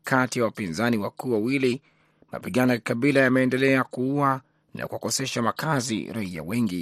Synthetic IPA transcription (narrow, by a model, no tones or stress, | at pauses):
kʰatijawapinzaniwakuːwawili | ma̰piɠanɔikaɓilajamɛːndɛlɛakuua | nʔa̰kuwakɔsɛʃamakʰazḭɾaia̰wɛŋɡi